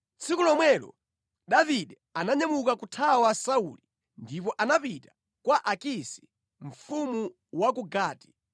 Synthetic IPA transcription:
t͡sʰikulɔmwɛlɔ̰ | ɗaviɗɛ | anaɲamukakutʰawasauli | ndip̬ɔʔanapita | kwaʔakisi̥ | ɱ̩fumu | wak̬uɡaːti̥

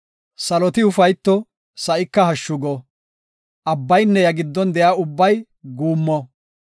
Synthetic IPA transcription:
sɐlɔt̪ɪʊfɐjt̪ːɔ | sɐʔɪkːɐɦɐʃːʊɡɔ | ʔɐbːɐjnːɛjɐɡɪd̪ːɔnd̪ɛjaːʊbːɐj | ɡuːmːɔ

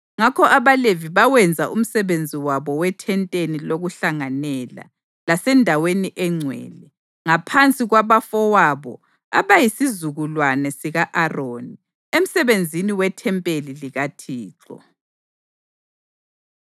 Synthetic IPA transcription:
ŋakʰɔʔaβaleviβawɛnd͡zʱaʔum̩sɛβend͡zʱiwaβɔwɛtʰɛntʼeniloɣuɬaŋanɛla̰ | lasɛndʱaweniʔɛŋ͡ǀʱwɛ̰ːlɛ | ŋapʰant͡sʼiɣwaβafɔwaβɔ̰ | a̰βajisizuɣulwanɛsiɣaʔaroːni | em̩sɛβend͡zʱiniwɛtʰɛmpʼeliliɣatʰiːǁɔ̰

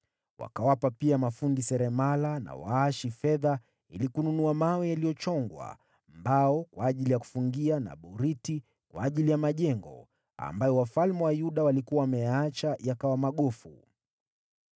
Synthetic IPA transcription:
wa̰kawapapiamafundisɛɾɛmalana̰wa̰aʃifɛða | ḭlikununuamawɛjalijɔt͡ʃɔŋɡwa̰ | mbaɔkwaːʄilijaku̥fuŋɡiana̰ɓuɾiti | kwa̰ːʄilijamaʄɛŋɡɔ̰ | a̰mbajɔwafalmɛwajuɗawalikuwawamɛjaat͡ʃajakawamaɠɔfṵ

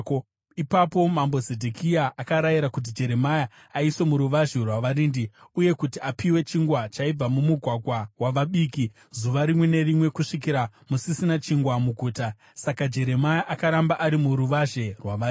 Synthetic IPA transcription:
ipapo̞mambo̞zedʱekʰiaʔakaɾajiɾakut̬id͡ʒe̞ɾe̞maja | aiswe̞muɾuʋaʒerwaʋaɾiːndiuje̞kutiapiwe̞t͡ʃiŋɡwat͡ʃaib͡vamumuɡʱwaɡʱwawaʋaɓiːki | zuʋaɾimwe̞ne̞rimwe̞kuʂik̬iɾamusisinat͡ʃiŋɡwamuɡʱuːta | sakad͡ʒe̞ɾe̞majaʔakaɾambaʔaɾimuɾuʋaʒe̞rwaʋa

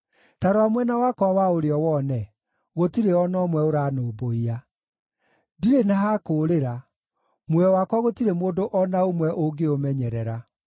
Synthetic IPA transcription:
taɾoamwɛnawakwawaoɾeɔwɔnɛ | ɣotiɾeɔnɔmwɛoɾaːnoːboia | diɾenaɦakoːɾeɾa | mwɛwakwaɣotiɾemoːndoʔɔnaomwɛʔoɡeomɛɲɛɾɛɾa

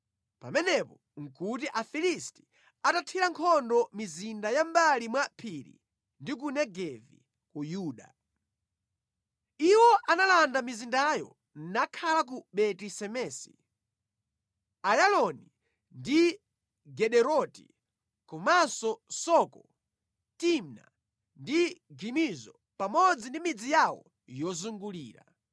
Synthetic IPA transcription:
pamɛnɛpɔ | ŋ̩kut̬iʔafilisti̥ | atatʰiɾaŋkʰɔndɔmizindajambalimwapʰiɾḭ | ndik̬unɛɡɛvḭ | kujuːɗa̰ | iwɔʔanalandamizindajɔ̰ | n̩nakʰalak̬uɓɛtisɛmɛːsi̥̰ | ajalɔni | ndi | ɡɛɗɛɾɔti | kumasɔsɔkɔ | timna̰ | ndiɡimizɔ | pamɔd͡zindimid͡zijawɔ̰ | jɔzuŋɡuliːɾa̰

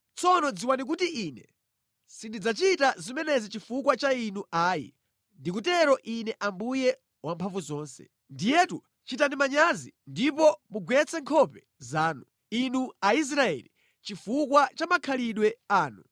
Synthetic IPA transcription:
t͡sʰɔnɔd͡ziwanik̬utiʔiːnɛ | sindid͡zat͡ʃitazimɛnɛzit͡ʃifukwat͡ʃainuaːjḭ | ndik̬utɛɾɔʔinɛʔambujɛ | wampʰaɱvuzɔːnsɛ̰ | ndijɛtu | t͡ʃitanimaɲazindipɔmuɡwɛt͡sʰɛŋkʰɔpɛ | zaːnu | inuais̬ɾaɛ̰li | t͡ʃifukwat͡ʃamakʰaliɗwɛaːnu

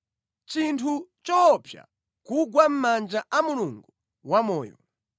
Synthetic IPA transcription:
t͡ʃintʰut͡ʃɔpʰja̰ | kuɡwam̩mand͡ʒaʔamuluŋɡu | wamɔːjɔ̰

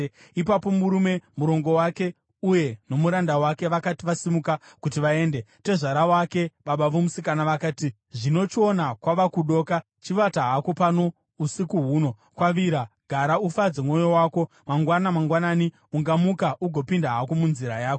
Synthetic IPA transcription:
ipapo̞muɾume̞muɾo̞ŋɡo̞wake̞ | uje̞no̞muɾandawake̞ʋakatiʋasimukakutiʋae̞ːnde̞te̞ʐaɾawake̞ɓaɓaʋomusikanaʋakaːti | ʐino̞t͡ʃio̞nakwaʋakuɗo̞ka | t͡ʃiʋataɦakopano̞ | usikuɦuːno̞ | kwaʋiɾaɡ̥ʱaɾaufad͡zemŋo̞jo̞waːko̞ | maŋɡwanamaŋɡwanaːni | uŋɡamukaʔuɡʱo̞pindaɦako̞munziɾajaːkoo

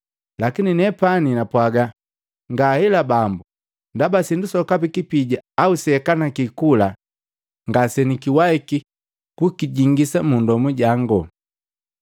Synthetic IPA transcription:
lakininɛpaninapwaɡa | ŋɡahɛlabambu | ndabasindusɔkapikipiɟaːusɛkanakikula | ŋɡasɛnikiwaiki | kukiɟiŋɡisamundɔmuɟaŋɡɔ

